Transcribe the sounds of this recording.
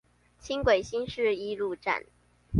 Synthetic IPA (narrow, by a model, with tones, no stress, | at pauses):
t͡ɕʰi˥ŋkwe˨˩ɪɕi˥nʂɻ̩˥˩i˥lu˥˧ʈ͡ʂa̰˥˨n